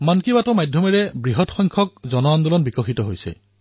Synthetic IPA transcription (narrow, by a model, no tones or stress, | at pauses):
mankibatɔmajdʱjɔmɛɹɛbɹiɦɔtxɔjŋkʰɔk̚zɔnɔandulɔnbikɔxitɔɦojsɛ̰